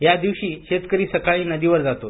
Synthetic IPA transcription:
jad̪iʋɕiːɕet̪kəɾiːsəkaɭiːnəd̪iʋəɾd͡zat̪o

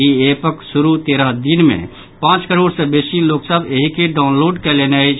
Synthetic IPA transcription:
iepəksuɾut̪eɾəɦd̪inmḛ̃ | pãːt͡ʃkəɾoːɽsẽbesiloksəbeɦikeɖaʊ̃nloɖkelenat͡ʃʰ

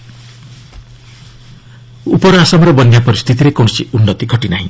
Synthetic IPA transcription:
upʌɾasʌmrʌbʌnjapʌɾist̪ʰit̪iɾekonsiunːʌt̪iɡʱʌʈinaɦĩ

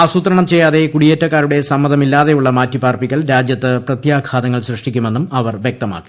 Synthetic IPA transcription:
ɐsut̪ɾɐɳɐmt͡ɕe̞jːaːðe̞kuɽijetːɐkːaːɾuɽe̞sɐmːɐðɐmilːaːðe̞juɭːɐmaːtːipaːrpikːɐlɾaːd͡ʑjɐt̪ːɨprɐt̪jaːkʰaːt̪ɐŋːɐɭɕrɨʂʈikʲːume̞nːumɐʋɐrʋjek̚t̪ɐma̰ːkːi̥

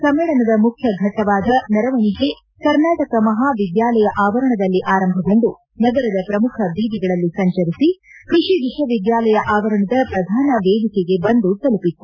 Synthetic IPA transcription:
sɐmːeːɭɐnɐd̪ɐmukʰjɐɡʱɐt̪ɐʋaːd̪ɐnɛɾɐʋɐniɦe | kɐɾnaːʈɐkɐmɐɦaːʋid̪jaːlɐjɐʔaːʋɐɾɐɳɐd̪ɐlːiʔaːɾɐmbʱɐɡo̞ɳɖ̪u | nɐɡɐɾɐd̪ɐpɾɐmukʰɐb̪ʱiːd̪iɡɐɭɐlːisɐɲt͡ʃɐɾisikɾiʂid̪iʂɐʋid̪jaːlɐjɐʔaːʋɐɾɐɳɐd̪ɐpɾɐd̪ʱaːnɐʋeːd̪ikeɡe̞bɐnd̪ut̪ɐlupit̪ːu

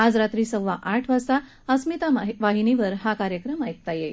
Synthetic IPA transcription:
ad͡zɾat̪ɾiːsəwʋaʔaʈʰʋasa | əsmit̪aʋaɦiniʋəɾɦakaɾjəkɾəmajk̚t̪aje

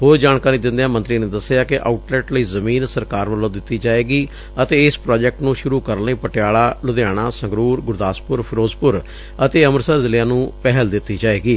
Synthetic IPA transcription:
ɦoːɾd͡ʒaːnkaːɾiːd̪ɪ̃nd̪ejãːmə̃nt̪ɾiːneːd̪əsːejaːkɪʔa̰ːʊʈlɛːʈləiːzəmĩːnsəɾkaːɾʋəlːõːd̪ɪt̪ːiːd͡ʒaːeːɡiː | ət̪eːɪspɾaːd͡ʒɛk̚ʈnũːʃʊɾuːkəɾnəiːpəʈɪjaːlaːlʊd̪jaːɽ̃aːsə̃ŋɡɾuːɾɡʊɾd̪aːspʊɾpʰɪɾoːzpʊɾ | ət̪eːəməɾsəzɪlɪjãːnũːpɛɦəld̪ɪt̪ːiːd͡ʒaːeːɡiː

